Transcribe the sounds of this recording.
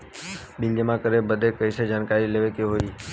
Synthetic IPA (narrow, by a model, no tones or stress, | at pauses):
ɓiɲd͡ʒəmãkəɾebəd̪ʱekəised͡ʒaːnkaɾileʋekeɦoi